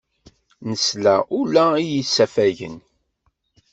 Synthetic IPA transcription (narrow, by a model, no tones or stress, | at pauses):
nəslæʔulæijisːæfæʝə̰n